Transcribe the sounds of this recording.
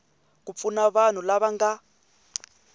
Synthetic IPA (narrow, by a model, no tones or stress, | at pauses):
kup̪funaβan̤ulaβaŋɡa